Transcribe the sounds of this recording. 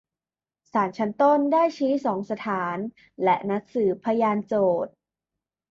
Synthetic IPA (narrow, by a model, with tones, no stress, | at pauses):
saː˩˦nt͡ɕʰa˦˥nt̪o˥˩ndaː˥˩jt͡ɕʰiː˦˥sɔː˩˦ŋsa˧t̪ʰaː˩˦n | lɛ˦˥ʔna˦˥k̚sɯː˩˦pʰa˧jaː˧nt͡ɕoː˨˩t̪̚